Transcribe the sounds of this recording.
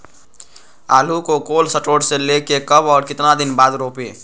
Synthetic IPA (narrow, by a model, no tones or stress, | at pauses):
aːlukokoːlsəʈoːɖselekekəbɔːɾkɪt̪nad̪ɪnbaːd̪ɾoːpeː